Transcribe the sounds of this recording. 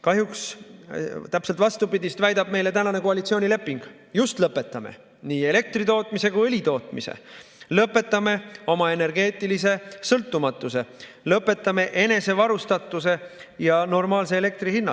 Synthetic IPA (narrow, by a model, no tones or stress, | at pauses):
kɑɦjuks | t̪æpse̞lt̪vɑst̪upid̪ʲist̪væjd̪ɑb̥̚me̞jle̞t̪ænɑne̞koɑlit̪sio̞ːnʲile̞pːˑiŋɡ̥ | just̪lɤpːˑe̞t̪ːˑɑme̞̰ | niːe̞le̞k̚t̪rit̪o̞ːt̪ˑmise̞kujɤlʲit̪o̞ːt̪ˑmisḛlɤpːˑe̞t̪ˑːɑme̞o̞mɑe̞ne̞rɡe̞ːt̪ːˑilis̬e̞sɤlt̪ːumɑt̪ːˑuse̞ | lɤpːˑe̞t̪ːˑɑme̞ʔe̞ne̞se̞vɑɾust̪ɑt̪ːˑuse̞jɑno̞rmɑːlse̞ːle̞k̚t̪rihinːɑ